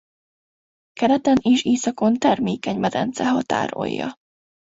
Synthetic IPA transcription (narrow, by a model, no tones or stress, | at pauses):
kɛɾɛt̪ɛneːʃeːsɒko̞nt̪ɛrmeːkɛɲmɛd̪ɛ̰nt̪sɛɦɒt̪a̰ːɾo̰jːɒ̰